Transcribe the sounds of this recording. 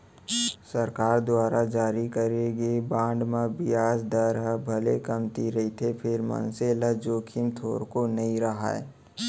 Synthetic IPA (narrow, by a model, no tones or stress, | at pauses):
səɾkaːɾd̪waːɾad͡ʒaːɾikəɾeɡebãːɳɖmãbɪjaːsd̪əɾɦəbʱɐlekɐmt̪iɾɐɦit̪ʰepʰɪɾmə̰nseləd͡ʒoːkʰimt̪ʰoːɾkonɐĩɾɐɦa̰ɛ̰